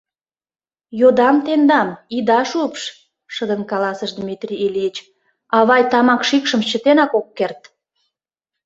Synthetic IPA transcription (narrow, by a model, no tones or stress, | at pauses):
jod̪ɑmt̪end̪ɑmid̪ɑʃupʃ | ʃəd̪ənkɑlɑsəʃd̪mit̪rʲiːliət͡ɕ | ɑβɑjt̪ɑmɑkʃikʃəmt͡ɕət̪enɑkokːert̪